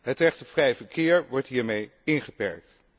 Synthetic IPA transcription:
ɦətrɛχtəvrɛjvəɹkɪːɹʋɔɹtɦiːɹmejɪnχəpɛ̰ɹk̚t

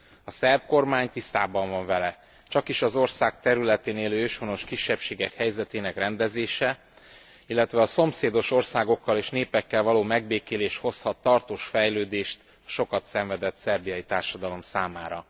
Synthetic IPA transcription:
ɒsɛrp̚ko̞rmaːɲt̪ist̪aːbɒɱvɒɱvɛlɛ | t͡ʃɒkiʃɒzo̞rsaːk̚t̪ɛɾylɛt̪eːneːløːøʃhono̞ʃkiʃːɛpʃeːɡɛkhɛjzɛt̪eːnɛkrɛnd̪ɛzeːʃɛ | ilːɛt̪ʋɛɒso̞mseːd̪o̞ʃo̞rsaːɡo̞kːɒleːʃneːpɛkːɛlvɒloːmɛɡ̚beːkeːleːʃho̞shɒt̪ːɒrt̪oːʃfɛjløːd̪eːʃt̪ | ɒʃo̞kɒt̪sɛɱvɛd̪ɛt̪sɛrbijɒjit̪aːrʃɒd̪ɒlo̞msaːmaːɾɒ

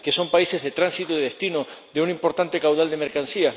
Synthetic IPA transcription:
ke̞so̞mpaise̞zðet̪ɾansit̪oiððest̪ino | ðeunimpo̞ɾt̪ant̪e̞kawðald̪e̞me̞ɾkansia

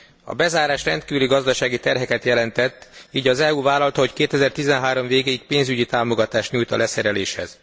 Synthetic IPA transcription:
ɒ̰bɛzaːɾaːʃrɛnt̪kiːvyliɡɒzd̪ɒʃaːɡit̪ɛrɦɛkɛt̪jɛlɛnt̪ɛt̪ːiːɟɒzɛuːvaːlɒlt̪ɒɦo̞ckeːt̪ɛzɛrt̪izɛnɦaːɾo̞mveːɡeːjik̚peːnzyɟit̪aːmo̞ɡɒt̪aːʃt̪ɲuːjt̪ɒ̰lɛsɛɾɛleːʃhɛ̰z̥

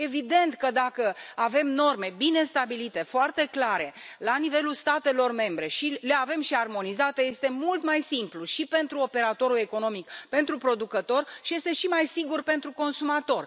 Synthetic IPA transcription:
e̞vid̪e̞nt̪kəd̪akəave̞mno̞rme̞bine̞st̪abilit̪e̞foart̪e̞klaɾe̞lanive̞lulst̪at̪e̞lo̞rme̞mbɾe̞ʃile̞ave̞mʃiarmo̞nizat̪eje̞st̪e̞mult̪majsimpluʃipe̞nt̪ɾuo̞pe̞ɾat̪o̞ɾule̞ko̞no̞mikpe̞nt̪ɾupɾo̞d̪ukət̪o̞rʃije̞st̪e̞ʃimajsiɡurpe̞nt̪ɾuko̞nsumat̪o̞r

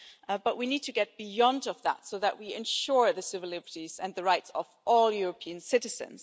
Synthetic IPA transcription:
b̥ʌʔwinid̚tʰɨɡɛt̚b̥ɪjɑ̃ndʌvðə̰tsoʊðəʔwiɨ̃nʃɔɹðɨsɪvəlɪbə˞tizə̃nðəɹaɪtsəvʔɔlˠjʊɹəpʰiɨ̃nsɪɾɨz̥ɨ̰̃nz̥

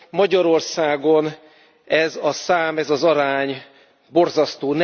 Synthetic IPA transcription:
mɒɟɒɾo̞rsaːɡo̞n | ɛzɒsaːmɛzɒzɒɾaːɲ | bo̞rzɒst̪oːn

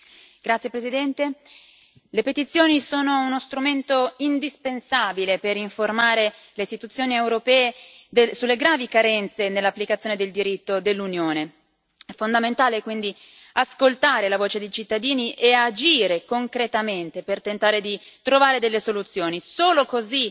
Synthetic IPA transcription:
ɡ̥ɾat̪sjepɾezid̪ɛnt̪e | lepet̪it̪sːjoːnisoːnounost̪ɾument̪oind̪ispensaːbilepeɾiɱformaːɾe | leist̪it̪ut̪sːjoːniewɾopɛːed̪esulːeɡɾaːvikaɾɛnt̪senelːapːlikat̪sjoːned̪eld̪iɾit̪ːod̪elːunjoːne | ɛfond̪ament̪aːlekwind̪i | askolt̪aːɾelavoːt͡ʃed̪ejt͡ʃit̪ːad̪iːniʔead͡ʒiːɾekoŋkɾet̪ament̪epert̪ent̪aːɾed̪it̪ɾovaːɾed̪elːesolut̪sːjoːnisoːlokozi

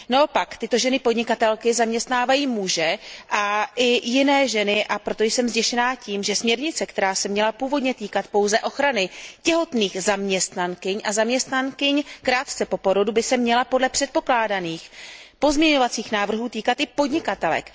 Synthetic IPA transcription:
nao̞pakt̪ɪt̪o̞ʒɛnɪpo̞dɲɪkat̪ɛlkɪzamɲɛst̪naːvajiːmuʒɛʔaʔɪjɪnɛːʒɛnɪʔapɾo̞t̪ojsɛmzɟɛʃɛnaːciːmʒɛsmɲɛɾɲɪt͡sɛkt̪ɛɾaːsɛmɲɛlapuːvo̞dɲɛt̪iːkat̪po̞wzɛʔo̞xɾanɪcɛɦo̞t̪niːxzamɲɛst̪nankɪɲʔazamɲɛst̪nankɪɲkɾaːt̪t͡sɛpo̞po̞ɾo̞dubɪsɛmɲɛlapo̞dlɛpr̝̥ɛt̪̚po̞klaːdaniːxpo̞zmɲɛɲo̞vat͡siːxnaːvr̩ɦuːt̪iːkat̪ɪpo̞dɲɪkat̪ɛlɛ̰k

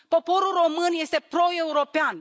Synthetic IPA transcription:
po̞po̞ɾulro̞mɨnje̞st̪e̞pɾo̞e̞uɾo̞pean

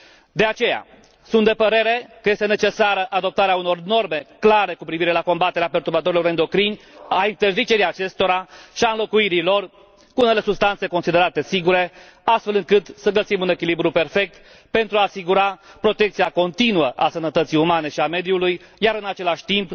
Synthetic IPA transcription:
d̪e̞at͡ʃe̞ja̰ | sunt̪d̪e̞pəɾe̞ɾe̞kəje̞st̪e̞ne̞t͡ʃe̞saɾəʔad̪o̞p̚t̪aɾeauno̞rno̞rme̞klaɾe̞kupɾiviɾe̞lako̞mbat̪eɾeape̞rt̪uɾbat̪o̞ɾilo̞ɾɨnd̪o̞kɾinʲaint̪e̞rzit͡ʃe̞ɾijat͡ʃe̞st̪o̞ɾaʃiaɨnlo̞kuiɾilo̞r | kuune̞le̞subst̪ant̪se̞ko̞nsid̪e̞ɾat̪e̞siɡuɾe̞ | ast̪fe̞lɨŋkɨt̪səɡəsimune̞kʲilibɾupe̞rfe̞k̚t̪ | pe̞nt̪ɾuaːsiɡuɾapɾo̞t̪e̞kt̪siako̞nt̪inuəʔasənət̪ət̪sijumane̞ʃiame̞d̪juluj | jaɾɨnat͡ʃe̞laʃʲt̪imp

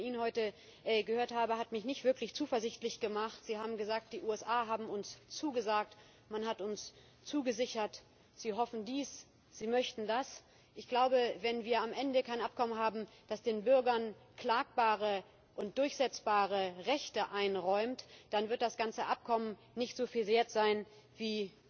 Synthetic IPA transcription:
iːnənhɔʏtə | ʔɡəhøːɐthaːbəhatmɪçnɪçtv̥ɪɐklɪçt͡suːfɐzɪçtlɪçɡ̥əmaχtz̥iːhaːbm̩ɡəzaːk̚t̚d̥iːʔuːɛsʔaːɦaːbm̩ʊnst͡suːɡəzaːk̚t | manhatʊns | t͡suːɡəzɪçɐt | z̥iːɦɔfn̩diːs | z̥iːmœçtn̩das | ʔɪçɡ̥laʊbəvɛnviːɐamʔɛndəkʰaɪnʔap̚kʰɔmənɦaːbm̩d̥asd̥eːnbʏɐɡɐnkl̥aːk̚b̥aːʁə | ʔʊnt̚d̥ʊɐçz̥ɛt͡sb̥aːʁ̞əʁɛçtəʔaɪnʁɔʏmtd̥anvɪɐt̚d̥asɡ̥ant͡səʔap̚kʰɔmən | nɪçtz̥oːfiːlzeːɐtz̥aɪn | viː

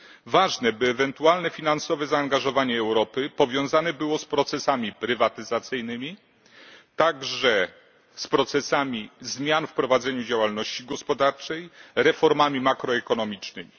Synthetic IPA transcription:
vaʐnɛbɘːvɛnt̪ualnɛfʲinansɔvɛzaːŋɡaʐɔvaɲɛːwɾɔpɘpɔvʲjɔ̃w̃zanɛbɘwɔspɾɔt̪sɛsamʲipɾɘvat̪ɘzat̪sɘjnɘmʲi | t̪aɡʐɛ | spɾɔt̪sɛsamʲizmʲjanfpɾɔvad̪zɛɲud͡ʑawalnɔɕt͡ɕiɡɔspɔd̪aɾt͡ʂɛjɾɛfɔɾmamʲimakɾɔɛkɔnɔmʲit͡ʂnɘmʲi

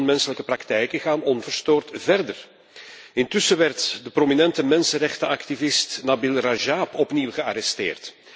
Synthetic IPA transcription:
nmɛnsələkəprɑktɛjkəɣaːnɔnvərstoːrtvɛrdər | ɪntʏsəʋɛrtdəprominɛntəmɛnsənrɛxtəɑktivɪstnabɪlraʒaːpɔpniwɣəaɾɛstḛːrt

